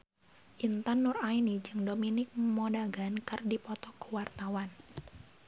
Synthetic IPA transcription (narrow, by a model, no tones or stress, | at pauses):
ʔint̪anːʊrainid͡ʒɨŋdominɪk̚mɔdaɡankɨrdipɔt̪ɔkuwart̪awan